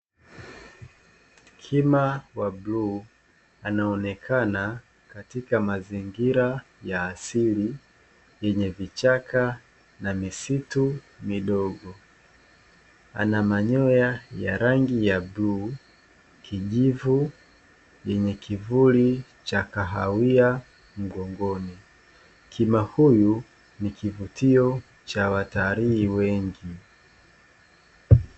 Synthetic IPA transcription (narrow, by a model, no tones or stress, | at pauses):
kʰimawablu | anaɔnɛkʰana | katikamaziŋɡiɾa | jaːsili | jɛɲɛvit͡ʃakʰa | namisitu | miɗɔɠɔ | a̰namaɲɔjajaɾaŋɡijabluː | kʰiʄivu | jɛɲɛkʰivuli | t͡ʃakaɦawia | m̩ɡɔŋɡɔni | kʰimahuju | nikivutiɔ | t͡ʃawataɾiːwɛŋɡi